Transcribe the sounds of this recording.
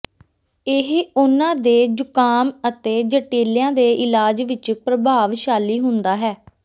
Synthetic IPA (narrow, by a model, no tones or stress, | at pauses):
ɪɦʊnãːd̪eːd͡ʒʊkaːmət̪eːd͡ʒəʈeːljãːd̪eːʔɪlaːd͡ʒʋɪt͡ʃpɾəbʱaːʋʃaːliːɦʊ̃nd̪aːɦɛː